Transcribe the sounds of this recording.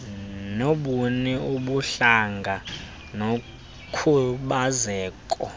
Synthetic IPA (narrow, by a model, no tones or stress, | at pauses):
noɓunɛuɓuɬaŋɡʱa | no | kʰuɓazɛːkʼɔ